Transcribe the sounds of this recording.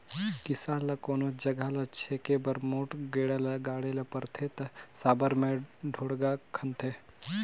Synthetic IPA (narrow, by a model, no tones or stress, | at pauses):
kɪsaːlɐkoːnod͡ʒɐɡʱalɐt͡ʃʰeːkebɐɾmoːʈɡeːɽalɐɡaːɽelɐpɐɾt̪ʰet̪ɐsaːbəɾmẽɖʱoːɽɡakʰɐnt̪ʰe